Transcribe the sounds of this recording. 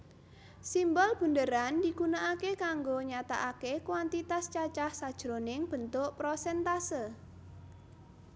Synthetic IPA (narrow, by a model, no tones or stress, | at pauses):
simbɔlb̥ə̤ndəɾandiɡunaʔakekaŋɡoɲat̪a̰ʔakekwant̪it̪ast͡ʃat͡ʃahsad̥ʒ̥ɾonɪŋb̥ə̤nt̪ʊʔpɾosɛnt̪asə